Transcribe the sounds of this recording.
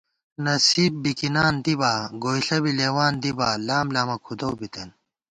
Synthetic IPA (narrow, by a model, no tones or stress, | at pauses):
nɐsiːb̚bikinaːnd̪ibaːɡoːjɬɐbileːwaːnd̪ibaːlaːmlaːmɐkʰud̪owbit̪ɐn